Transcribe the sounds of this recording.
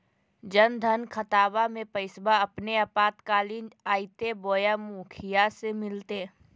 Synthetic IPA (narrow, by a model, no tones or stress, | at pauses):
d͡ʒɐnd̪ʱənkʰɐt̪aːbamẽpəɪsbaɐpneapaːt̪kaːliːnaːit̪eboːjamuːkʰɪjasemɪlt̪e